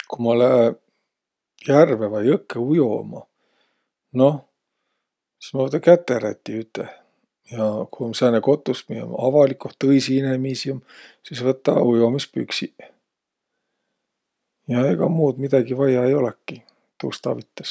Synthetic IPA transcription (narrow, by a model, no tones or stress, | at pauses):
kumɑlæ | jærvevɑjɤkːeujo̰mɑ̰ | no̞ | si̥smɑvɤt̪ːˑɑkæt̪ːeɾæt̪ːˑiyt̪ːˑe | jɑkuomsæːneko̞t̪ːˑusmio̰mɑvɑlikuht̪ːɤjsiinemiːsiumsisvɤt̪ːɑ̰ujomispy̰ksi | jɑeɡ̥ɑmuːd̪mid̪̥ɑɡ̥ivɑjɑejo̞lekːi | t̪ṵːst̪ɑ̰vit̪ːˑɑ̥s